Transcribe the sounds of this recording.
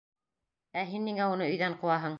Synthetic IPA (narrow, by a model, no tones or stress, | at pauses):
æɦinːiŋæunɤɵ̆jðæɴquwɑɦɤɴ